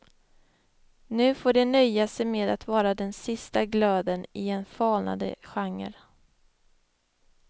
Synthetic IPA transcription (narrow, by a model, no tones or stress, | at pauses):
nʉ̟ːfoːɖɛnœjːasɛjmeːd̪at̪vɑːɾad̪ɛnsɪst̪aɡlœːd̪ənɪɛnfɑːlna̰d̪ə̰ɧaŋːə̰ɾ